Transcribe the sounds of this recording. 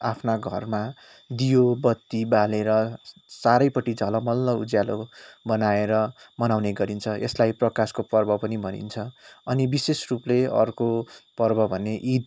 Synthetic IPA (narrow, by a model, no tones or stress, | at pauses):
apʰnaɡʱʌrma | d̪ijobʌt̪ːibaleɾʌsaɾʌjpʌʈid͡zʱʌlʌmʌlːʌud͡zjalobʌnaeɾʌ | mʌnawneɡʌɾint͡sʰʌḛslajprʌkaskopʌrbʌpʌnibʱʌnḭnt͡sʰʌʌnibisesrupleʌ̰rkopʌrbʌbʱʌneʔid̪